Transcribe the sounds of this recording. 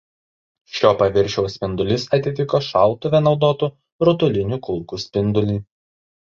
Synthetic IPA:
ʃʲoːpɐʋʲɪɾʲˑʃʲɛʊsʲpʲɪnd̪ʊlʲɪsɐt̪ʲɪt̪ʲɪkoːʃɑˑlˠt̪ʊʋʲɛnɒʊd̪oːt̪uː | ɾʊt̪ʊlʲɪnʲuˑkʊlˠkuːsʲpʲɪnd̪ʊlʲiː

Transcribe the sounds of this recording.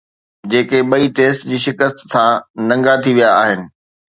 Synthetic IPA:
d͡ʑeːkeɓɐit̪eːst̪d͡ʑiːʃɪkəst̪sãːnɐ̃ŋɡat̪ʰiʋijaːɦɪnɪ̆

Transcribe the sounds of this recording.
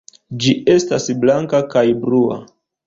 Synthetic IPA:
d͡ʒiʔe̞stasblaŋkakajbɾua̰

